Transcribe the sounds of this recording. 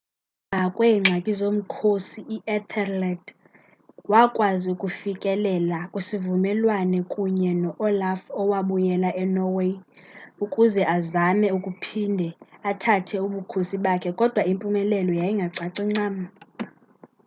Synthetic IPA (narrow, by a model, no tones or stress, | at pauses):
akʼwɛiŋ͡ǀʱakʼizom̩kʰosiʔiʔɛt̪ʰɛrlad | wakʼwaziukʼufikʼɛlɛlakʼwesivumɛlwanɛkʼuɲɛnɔʔɔlafɔwaɓujɛlaʔɛnɔwe | ukʼuzɛʔazamɛukʼupʰindʱɛatʰatʰɛuɓukʰosiɓakʰɛkʼɔd̥ʱwaimpʼumɛlɛlɔjajiŋɡʱaǀaǀiŋ͡ǀaːma